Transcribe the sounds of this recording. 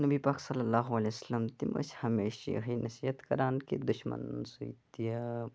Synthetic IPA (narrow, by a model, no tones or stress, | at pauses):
nɐbiːpaːksɐlːɐlːaːɦuɐlesɐlɐmt̪imɐ̰shɐmeːʃḭɦinɐsijɐt̪kɐɾaːnkid̪uʃmɐ̰nsuit̪ijɐ